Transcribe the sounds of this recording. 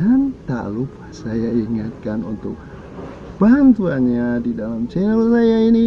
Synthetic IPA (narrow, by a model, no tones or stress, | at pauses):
ant̪a̰ʔlupḁhsajaiŋat̪̚kanṵnt̪ʊk̚ | bant̪uaɲadidalamt͡ʃɛnəlsajaini